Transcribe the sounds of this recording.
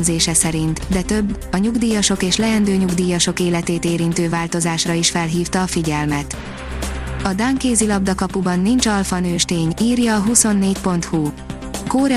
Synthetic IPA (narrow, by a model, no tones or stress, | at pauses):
zeːʃɛsɛɾint̪d̪ɛt̪øbːɒɲuɡd̪iːjɒʃo̞keːʃlɛɛnd̪øːɲuɡd̪iːjɒʃo̞keːlɛt̪eːt̪eːɾint̪øːvaːlt̪o̞zaːʃrɒiʃfɛlɦiːft̪ɒːfiɟɛlmɛt̪ | ɒd̪aːŋkeːzilɒb̚d̪ɒkɒpubɒnːint͡ʃɒlfɒnøːʃt̪eːɲiːrjɒːɦuso̞nːeːcpo̞nt̪hu | koːɾɛ